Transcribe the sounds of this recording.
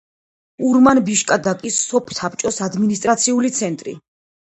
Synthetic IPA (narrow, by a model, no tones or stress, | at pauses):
uɾmanbiʃkʼad̪akʼisːɔpʰsapʰt͡ʃʼɔsad̪minist̪ʼɾat̪sʰiulit̪sʰɛnt̪ʼɾḭ